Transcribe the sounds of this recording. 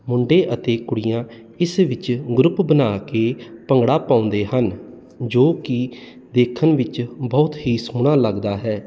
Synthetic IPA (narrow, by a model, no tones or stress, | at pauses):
mʊɳɖeːʔət̪eːkʊɽɪjãː | ɪsʋɪt͡ʃɡɾʊpbənaːkeːpəŋɡɽaːpaːʊ̃nd̪eːɦən | d͡ʒoːkɪ | d̪eːkʰːənʋɪt͡ʃbɔːt̪ɦiːsuɽ̃aːləɡd̪aːɦɛː